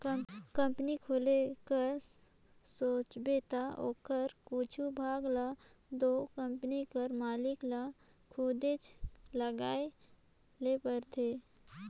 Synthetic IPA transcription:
kə̃mpnikʰoːlekəɾ | soːt͡ʃbeːt̪ao̰ːkəɾkut͡ʃʰubʱaːɡla | d̪oːkə̃mpnikəɾmaːlɪkla | kʰuːd̪et͡ʃləɡaːe | lepəɾt̪ʰeː

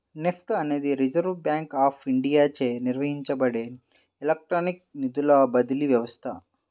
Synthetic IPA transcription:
nepʰʈɐne̞ːd̪iɾid͡ʒɐɾʋbjaːŋkaːpʰiɳɖijaːt͡ʃeːniɾʋɐɦiɲt͡ʃɐbɐɽeː | lɐk̚ʈɾoːnik̚nid̪ulɐbɐd̪iliʋjɐʋɐst̪ʰɐ

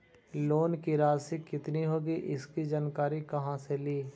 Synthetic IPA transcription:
loːnkiɾaːd͡ʒsikɪt̪niɦoːɡiʔɪskid͡ʒaːnkaːɾikɐɦãseliː

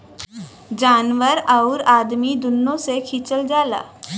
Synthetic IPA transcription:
d͡ʒaːnʋəɾaʊɾaːd̪mid̪ʊnːõsekʰit͡ʃəld͡ʒaːla̰ː

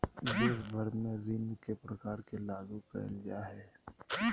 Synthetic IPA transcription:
d͡ʒɪsbʱɐɾmẽɾɪnkepɾɐkaːɾkelaːɡupɛ̰ːnɡjaɦɛː

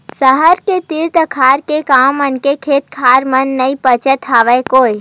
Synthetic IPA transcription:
səɦəɾket̪ɪɾt̪əkʰaːɾkekaːmənkekʰeːt̪̚kʰaːɾmənːɐipət͡ʃət̪ɦaːʋəjkoːi

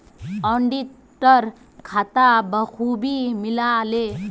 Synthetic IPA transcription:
ʌɳɖi | ʈʌɾ | kʰat̪abʌkʰubimilale

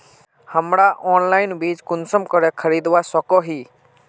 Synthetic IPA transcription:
həmɾaʔɔːnlaɪnbiːd͡ʒkʊnsəmkəɾɛkʰəɾid̪ʋasəkɔɦi

